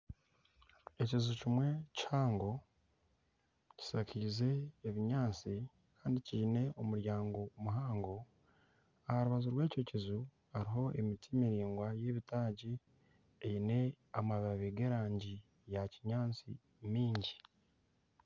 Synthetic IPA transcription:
e̞cizucimwe̞chaːŋɡo̞ | ci̥sakiːze̞ːβiɲaːt͡si | kaːndiciʒine̞o̞muɾjaːŋɡo̞muɦaːŋɡo̞ | ahaɾuβazuɾwe̞ːco̞cizu | haɾiɦo̞ʔemitimiɾiːŋɡwaje̞ːβitaːɟi | ejine̞ | amaβaβeɡe̞ɾaːɲɟi | jaciɲaːnt͡sḭ | miːɲɟi

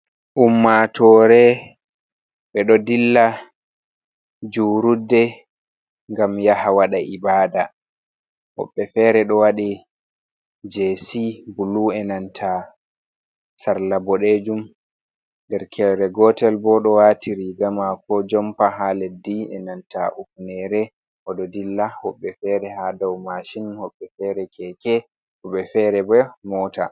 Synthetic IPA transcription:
ʔumːatʰɔːɾɛ | ɓɛɗɔdilːa | d͡ʒuɾudɛ | ŋɡamjahawaɗaʔibaːda | wɔ̰ɓːɛfɛɾɛɗɔwaɗi | d͡ʒeːsibuluɛnantʰa | saɾlabɔɗed͡ʒum | dɛɾkʰɛɾɛɡɔtɛlbɔɗɔwatiɾiɡamakɔd͡ʒɔmpaɦalediɛ̰nanta̰ʔufnɛɾɛ | ʔɔdɔdilːahɔɓːɛfɛɾɛɦadɔwmaʃinhɔɓːɛfɛɾɛkʰɛkɛ | hɔɓːɛfɛɾɛbɛmɔːta̰

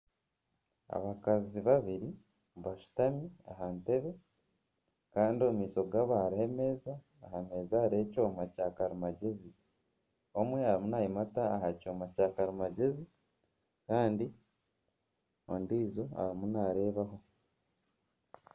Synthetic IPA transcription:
a̰βakaziβaβiɾi | βaʃu̥tamia̰ɦante̞βe̞ | kaːndio̞miːso̞ɡaβaɾieme̞zaː | hame̞ːzaːɾe̞ːco̞ːmacakaɾumaɟe̞zi | o̞mweaɾimunaːjimataːhaco̞ːmacakaɾimaɟe̞zi | kaːndi | o̰ndiːzo̞a̰ɾimunaːɾe̞ːβaɦo̞

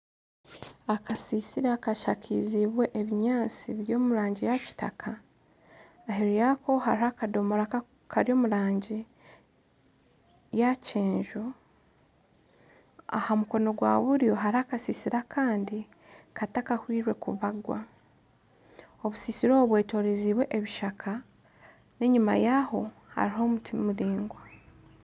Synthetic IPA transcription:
akʰasisiɾakaʃakʰiziβwe̞ʔeβiɲaːt͡siβiɾjo̞ːmuɾaːɲɟijaci̥ta̰kʰa | ɦeɾijakʰo̞haɾiakado̞moɾaka | kʰaɾjo̞ːmuɾaːɲɟi | jaceːɲʒo̞ | a̰hamuko̞no̞ɡwa̰ːβuɾjo̞ɦaɾihakasisiɾakʰaːndi | kʰatakahwiːɾwe̞̰kuβaɡwa̰ | o̞βusisiɾoβwe̞ːto̞ːɾeziːβwe̞ʔeβiʃakʰa | ne̞ɲuma̰jaho̞ | ha̰ɾiɦo̞mutʰimuɾiːŋɡwa

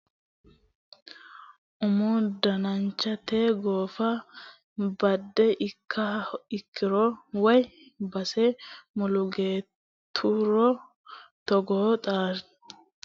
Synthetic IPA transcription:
ʔʊmuːd̪ɐnɐnt͡ʃːɐt̪eːɡo̞ːfɐ | bɐd̪ːɛʔɪkʰːɐɪkːɪɾowɐj | bɐsemʊlʊɡe̞ːt̪ʰːuːɾɔ | t̪ɔɡoːt̪ʼaːɾ

